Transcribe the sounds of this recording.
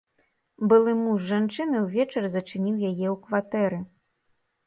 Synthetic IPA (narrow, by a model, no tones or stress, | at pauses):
bɨlˠɨmuʐːant͡ʂɨnɨwvʲɛt͡ʂɐrzɐt͡ʂɨnʲiwjajɛwkvat̪ɛɾɨ